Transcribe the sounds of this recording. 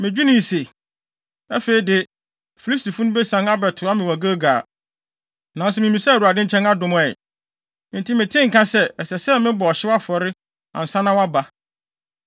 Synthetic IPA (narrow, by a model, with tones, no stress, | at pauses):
mɪ̃˨d͡ʑᶣu˦nɪ̃˨se˨ | æ˦feː˨i˨dɪ˨ | fi˨li˦sti˨fũ˦nʊ̃˦bɛ˦sã˨˦na˦bɛ˨tʰʊ˨a˦mɪ̃˨wæ˨ɡa˦ɡa̰ː˨ | nã˨n˨s̬ɛ˦˨mɪ̃˨mĩ˨sɛ˦˨wu˨a˨dɪ̃˦ɲ̩˦t͡ɕʰɛ̃˦na˦dʊ̃˨m̃˦ɛ̰˨˦ | n̩˨ti˦mɪ̃˨tʰɪ̃˦ŋ̩˨kʰã˦sɛ˦ɛ˨sɛ˨sɛ˦mɪ̃˦bɔ˨ɔ˨ɕɪ˦wa˦fɔ˨ɾɪ˦ | ã̰˨n̩˨sã˦nã˦wa˦ba˨